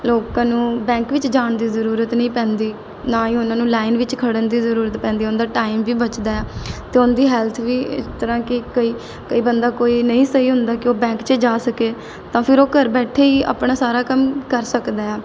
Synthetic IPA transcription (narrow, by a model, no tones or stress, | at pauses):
loːkãːnũːbɛ̃ːŋkʋɪt͡ʃd͡ʒaːɳd̪iːzəɾuːɾət̪nəĩːpɛ̃ːnd̪iː | nãːĩːʊnãːnũːlaːɪnʋɪt͡ʃkʰəɽənd̪iːzəɾuːɾət̪pɛ̃ːnd̪iːʊnd̪aːʈaːɪmʋiːbət͡ʃd̪aːɛːt̪eːʊnd̪iːɦɛːlt̪ʰʋiːɪ̰st̪əɾãːkɪkəiː | kəiːbənd̪aːkoːiːnəĩːsəɦiːɦʊnd̪aːkɪoːbɛ̃ːŋkt͡ʃəd͡ʒaːsəkeː | t̪ãːpʰɪɾoːkəɾbɛːʈʰeːiːa̰ːpɳaːsaːɾaːkəmkəɾsəkd̪aːɛː